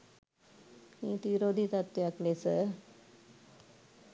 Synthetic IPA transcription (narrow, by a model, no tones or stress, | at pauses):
nĩːt̪iɾod̪ʱit̪ɐt̪ːjaklesə